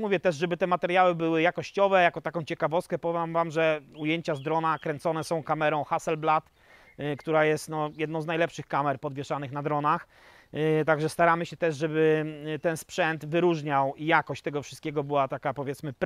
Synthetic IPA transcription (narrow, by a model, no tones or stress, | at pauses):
muvʲjɛt̪ɛʐʐɛbɘt̪ɛmat̪ɛɾjawɘbɘwɘjakɔɕt͡ɕɔvɛjakɔt̪akɔ̃w̃t͡ɕɛkavɔst̪̚kɛpɔvamvamʐɛujeɲt͡ɕazd̪ɾɔnakɾɛnt̪sɔnɛsɔ̃w̃kamɛɾɔ̃w̃xasɛlblat̪ | kt̪uɾajɛst̪nɔjɛd̪nɔ̃wznajlɛpʂɘxkamɛɾpɔd̪vʲjɛʂanɘxnad̪ɾɔnax | t̪aɡʐɛst̪aɾamɘɕɛt̪ɛʐʐɛbɘt̪ɛnspʂɛnt̪vɘɾuʐɲawijakɔɕt͡ɕt̪ɛɡɔfʂɨ̥st̪̚kʲɛɡɔbɘwat̪akapɔvʲjɛt̪smɘp